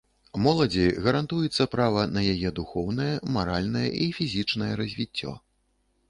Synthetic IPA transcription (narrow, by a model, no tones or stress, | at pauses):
mɔlˠɐd͡zʲiɣɐɾant̪ujɛt̪sːɐpɾavɐnɐjajɛd̪uxɔwnɐjɛmaɾalʲnɐjɛ̰ʔifʲizʲit͡ʂnɐjɛɾɐzʲvʲit͡sʲːɔ̰